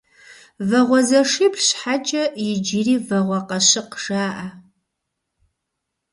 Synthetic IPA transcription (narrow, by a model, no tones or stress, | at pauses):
vɐʁʷɔzɐʂɪpɬɕħat͡ʃʼɐjɪd͡ʒɪriːvɐʁʷɐqɐɕɪqʂaːʔa